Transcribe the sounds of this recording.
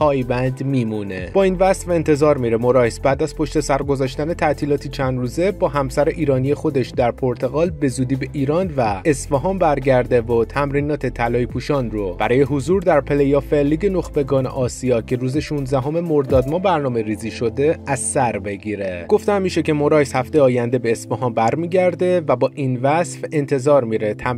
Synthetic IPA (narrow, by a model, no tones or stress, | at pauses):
pʰɒːjbænd̪miːmune̞bɒːiːnvæst̪væent̪ʰe̞zɒːɾmiɾemo̞ɾɒːhesbæːd̪æzpʰo̞ʃt̪e̞sæɾɡozɒːʃt̪æne̞t̪ʰæt̪ʰiːlɒːt̪ʰit͡ʃʰænd̪ɾuːze̞bɒːɦæmsæɾeʔiːɾɒːnije̞xo̞d̪e̞ʃd̪æɾpʰo̞ɾt̪ʰe̞ɣɒːlbe̞zuːd̪iːbe̞ʔiːɾɒːnvæe̞sfæɦɒːmbæɾɟæɾd̪e̞vot̪ʰæmɾiːnɒːt̪ʰe̞t̪ʰælɒːjipʰuːʃɒːnrob̥æɾɒːje̞ɦozuːɾd̪æɾpʰe̞lejɒːfelːiːɟe̞no̞xbe̞ɡɒːnḛʔɒːsijɒːcʰe̞ɾuːze̞ʃunzæɦo̞me̞mo̞ɾd̪ɒːd̪mɒbæɾnɒːme̞ɾiːziːʃo̞d̪e̞æzsæɾbe̞ɟiːɾe̞ɡ̥o̞ft̪æmːiːʃe̞ce̞mo̞ɾɒːjshæft̪e̞jeɒːjænd̪e̞be̞ːsfɒɦɒːmbæɾmiːɟæɾd̪e̞væbɒːʔinvæsfe̞nt̪ʰe̞zɒːɾmiɾe̞t̪ʰæ